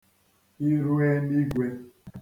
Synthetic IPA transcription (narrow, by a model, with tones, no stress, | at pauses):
i˦ɾu˦e˦ni˦ɡʷe˦